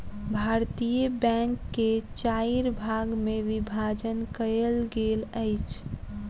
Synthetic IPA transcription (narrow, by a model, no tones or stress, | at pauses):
bʱaɾt̪ijəbɛ̃ŋkːet͡ʃaiɾbʱaɡmeʋibʱad͡ʒənkəəlɡeləjt͡ʃʰ